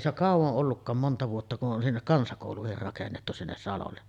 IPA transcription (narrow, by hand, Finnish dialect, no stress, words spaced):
se ok kɑˑuʋoʔ ʔolːukːɑːm montɑ ʋuotːɑ kuʔ ʔon sinːek kɑnsɑkoˑuluhir rɑkenːetːu sinːes sɑlolːe